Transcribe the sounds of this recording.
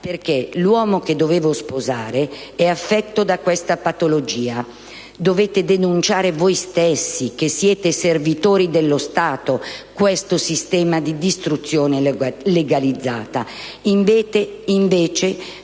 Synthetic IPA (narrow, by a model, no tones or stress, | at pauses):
perk̟elwɔːmoked̪ːoveːvospozaːɾeɛafːɛt̪ːod̪akwɛst̪apat̪olod͡ʒiːa | d̪oveːt̪ed̪enunt͡ʃaːɾevojst̪esːik̟esːjɛːt̪eservit̪oːɾid̪elːost̪aːt̪okwɛst̪osist̪ɛːmad̪id̪ist̪ɾut̪sːjoːneleɡalid̪zːaːt̪a | iɱet̪eiɱveːt͡ʃe